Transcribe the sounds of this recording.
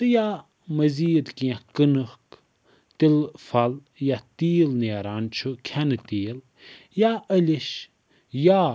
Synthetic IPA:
t̪ɨja | mɐziːd̪kijãkɨnɨk | t̪ilfɐl | jat̪iːlneːɾaːnt͡ʃʰukʰanɨt̪iːl | jaəlʲiʃ | ja

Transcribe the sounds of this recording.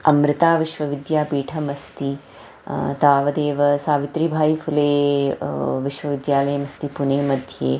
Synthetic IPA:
ɐmɾɪt̪aːʋiʃʋɐʋid̪jaːpiːʈʰɐmɐst̪i | t̪aːʋɐd̪eːʋɐsaːʋit̪ɾibʱaːifʰuleː | ʋiʃʋɐʋid̪jaːlɐjɐmɐst̪ipuneːmɐd̪ʱjeː

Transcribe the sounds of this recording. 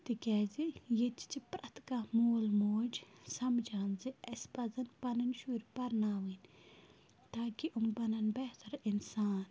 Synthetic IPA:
t̪ikʲɛːzijet͡ʃi̥t͡ʃipɾɐt̪kamoːlmoːd͡ʒsɐmd͡ʒaːnziɐspɐzɐnpɐnɐnʃuːɾipɐɾnaːʋɨnʲ | t̪aːkiʔumbɐnɐnbɛht̪ɐɾinsaːn

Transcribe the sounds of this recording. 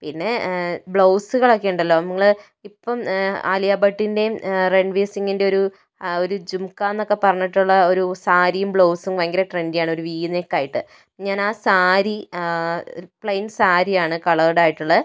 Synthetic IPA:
pinːe̞bɭowsɨkɐɭɐkːeːɳɖɐlːo̞ːɐmuŋːɐɭ | ipːɐma̰lijaːbɐʈːinde̞reɳɖʋeːsiŋːinde̞o̞ɾu | o̞ɾud͡ʑumkːaːenːo̞kːe̞pɐrɐɲːiʈːuɭːɐo̞ɾusaːɾijumbɭowsumʋɐŋɡɐɾɐʈrendijaːɳɨo̞ɾuʋiːnekːaːjiʈːɨ | ɲaːnaːsaːɾi | pɭɐjnsaːɾijaːɳɨkɐɭɐrɽaːjiʈːuɭːɐ

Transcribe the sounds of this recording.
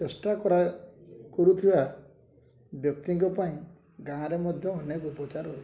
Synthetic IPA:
t͡ʃesʈakɔɾakɔɾut̪ʰiba | bjɔk̚t̪iŋkɔpaĩ | ɡãɾemɔd̪ʱjɔɦɔnekuːpɔt͡ʃaɾɔj

